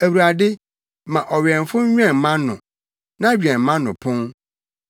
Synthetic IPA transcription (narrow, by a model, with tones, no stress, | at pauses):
æ˨wu˨ɾa˨dɪ˦ | mã˨ʔɔ˨ɥɛ̃˨nfʊ˦ɲ̩˦ɲᶣ˦ɛ̃˦˨˦mã˦nʊ̰̃˨ | nã˦ɥi˨ɛ̃˨m̩˨˦mã˦nʊ̃˨pʰʊ̃˦ŋ